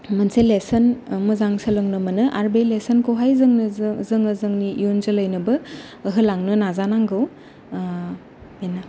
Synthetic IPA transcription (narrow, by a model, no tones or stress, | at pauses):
mɐnselesɐnmuzaŋsɐlɯŋnɐmɐnɯʔaɾbelesɐnkowɦajzɐŋnzɯŋɐzɯŋnijunzɯlɐjnɐbɐː | ɦɯlaŋnɯnazanaŋɡɯw | ena